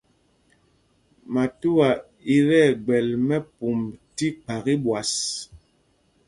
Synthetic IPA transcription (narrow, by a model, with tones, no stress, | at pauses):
ma˨tu˦wa˨ | i˦ɾɛ˦˨ɡ͡bɛ˨lmɛ˦pu˨mti˦k͡pa˨ɣi˦bwa˨s